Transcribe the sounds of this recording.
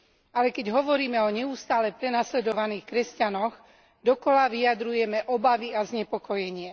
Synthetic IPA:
alɛkɛɟɦɔʋɔɾiːmɛɔɲɛust̪aːlɛpɾɛnaslɛd̪ɔʋaniːxkɾɛscanɔɣ | d̪ɔkɔlaʋijad̪ɾujɛmɛʔɔbaʋiazɲɛpɔkɔjɛɲɪɛ

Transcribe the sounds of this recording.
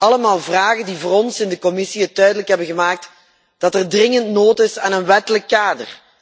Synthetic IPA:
ɑləmaːlˠvraːɣəndivoːɾɔnsɪndəkɔmɪsiɦətːœɥdələkɦɛbənɣəmaːk̚t | d̥ɑtɛrdrɪŋəntnoːtɪsaːnənʋɛtələkːaːdə̰r

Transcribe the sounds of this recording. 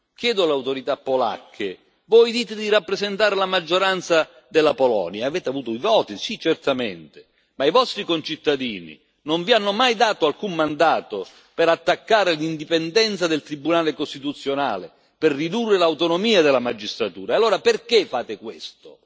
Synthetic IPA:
k̟jɛːd̪ʊalawt̪oɾit̪apːola̰kʰːɪ | vɔjd̪iːt̪ɪd̪iɾapːɾezent̪aːɾɪlamad͡ʒːoɾant̪sa | d̪ɪlːapolɔ̰ːnjaːvɛːt̪eavuːt̪ʊivɔːt̪isit͡ʃɛrt̪amɛ̰nt̪ɪ | maivɔst̪ɾikont͡ʃit̪ːad̪iːnḭ | noɱvianːʊmajd̪aːt̪oalkummand̪aːt̪o | pɛɾat̪ːakːaːɾɪlind̪ipɛnd̪ɛnt̪sad̪ɪlt̪ɾibːunaːlɪkost̪it̪ut̪sːjona̰ːlɪ | pɪrːid̪urːelawt̪onomiːad̪elamad͡ʒːist̪ɾat̪ṵːɾaalːoːɾapɪrkefaːt̪ɪkwḛst̪o

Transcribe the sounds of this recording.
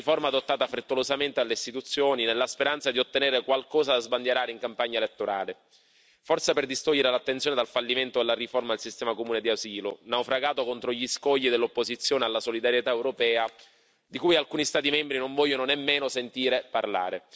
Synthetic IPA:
iformad̪ot̪ːaːt̪afɾet̪ːolozament̪ealːeist̪it̪ut̪sːjoːninelːaspeɾant̪sad̪iot̪ːenɛːɾekwalkɔːzad̪azband̪jaɾaːɾeiŋkampaɲːaelet̪ːoɾaːle | fɔrseperd̪ist̪oʎːeɾelat̪ːent̪sjoːned̪alfalːiment̪od̪elːariformad̪elsist̪ɛːmakomuːned̪iaziːlonawfɾaɡaːt̪okont̪ɾoʎiskɔʎːid̪elːopːozit̪sːjoːnealːasolid̪aɾjet̪aewɾopɛːa | d̪ikujalkuːnist̪aːt̪imɛmbɾinoɱvɔʎːononemːeːnosent̪iːɾeparla̰ːɾe

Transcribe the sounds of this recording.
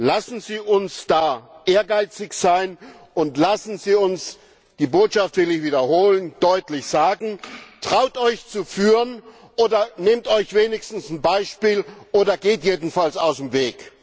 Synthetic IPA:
lasn̩ziːʔʊnsd̥aːʔeːɐɡaɪt͡sɪçz̥aɪn | ʔʊntlasn̩ziːʊns | d̥iːboːtʃaftv̥ɪlɪçviːdɐhoːlənd̥ɔʏtlɪçz̥aːɡŋ̩tʁ̥aʊtɔʏçt͡sufyːʁən | ʔoːdɐnemtɔʏçv̥eːnɪçstn̩sn̩baɪʃpiːlʔoːdɐɡeːtjeːdn̩falsaʊsmveːk

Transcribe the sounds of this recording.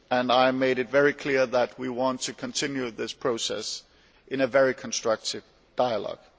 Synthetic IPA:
ɨ̃naɪmeɪɾɨtvɛɹikʰl̥ɪɹðət̚wiwɑ̃ntʰɨkʰə̃ntʰɪ̃njʉðɪspʰɹ̥oʊsɛ̰s | ʔɨ̃nɨvɛɹikʰə̃n̩stɹ̥ʌk̚tɨv | d̥aɪəlɔ̰ɡ̥

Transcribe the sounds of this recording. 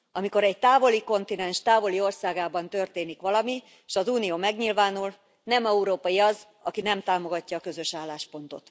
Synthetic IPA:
ɒmiko̞ɾɛɟ̚t̪aːvo̞liko̞nt̪inɛnʃt̪aːvo̞lio̞rsaːɡaːbɒnt̪ø̞rt̪eːnikʋɒlɒmi | ʃɒzuːnijoːmɛɡɲilvaːnul | nɛmɛuɾoːpɒjiɒz | ɒkinɛmt̪aːmo̞ɡɒcːɒːkø̞zø̞ʃaːlːaːʃpo̞nt̪o̞̰t̪

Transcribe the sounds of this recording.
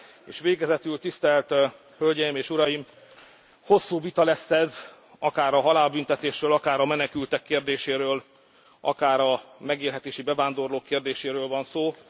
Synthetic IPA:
ḛːʃʋeːɡɛzɛt̪ylt̪ist̪ɛlt̪ | hølʲɟɛjimeːʃuɾɒjim | ho̞sːuːvit̪ɒlɛsːɛz | ɒkaːɾɒɦɒlaːlbynt̪ɛt̪eːʃrøːlɒkaːɾɒmɛnɛkylt̪ɛkːeːrd̪eːʃeːɾøːl | ɒ̰kaːɾɒmɛɡeːlɦɛt̪eːʃibɛvaːnd̪o̞rloːkːeːrd̪eːʃeːɾøːlvɒnsoː

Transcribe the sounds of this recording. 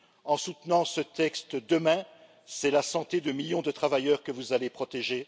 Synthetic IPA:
ɑ̃sut̪nɑ̃sət̪ɛkst̪d̪əmɛ̃ | sɛlasɑ̃t̪ed̪əmiljɔ̃d̪ət̪χavajœʁkəvuzalepχɔt̪eʒe

